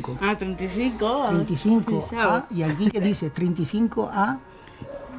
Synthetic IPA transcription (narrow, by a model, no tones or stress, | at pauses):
koat̪ɾẽnt̪isiŋkoent̪iθiŋkoaiakikeðiset̪ɾent̪iθiŋkoʔa